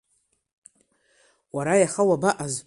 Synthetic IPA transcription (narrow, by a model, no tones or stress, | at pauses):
waɾajaχawabaʔaz